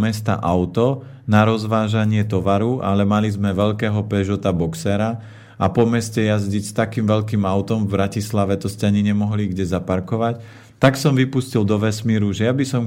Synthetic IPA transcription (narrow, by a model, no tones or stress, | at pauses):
mɛst̪a̰ʔaʊt̪ɔ | naɾɔzʋaːʒaɲɪɛt̪ɔʋaɾuʔa̰lɛmalizmɛʋɛʎkɛːɦɔpɛʒɔt̪abɔksɛɾa | apɔmɛscɛjazɟicst̪akiːmʋɛʎkiːmaʊt̪ɔmvbɾacislaʋɛt̪ɔscaɲiɲɛmɔɦliɡɟɛzapaɾkɔʋac | t̪aksɔmʋipuscild̪ɔʋɛsmiːɾuʒɛjabisɔm